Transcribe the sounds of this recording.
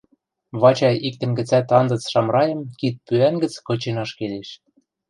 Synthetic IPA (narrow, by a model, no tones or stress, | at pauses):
βɑt͡ɕɑjik̚t̪ə̆nɡə̆t͡sæt̪ɑnd̪ɤ̆t͡sʃɑmɾɑjɤ̆mkit̪̚pyænɡə̆t͡skɤ̆t͡ɕenɑʃkeleʃ